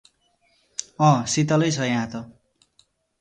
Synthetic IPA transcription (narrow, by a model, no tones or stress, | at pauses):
ʌ̃sit̪ʌlʌjt͡sʰʌjãt̪ʌ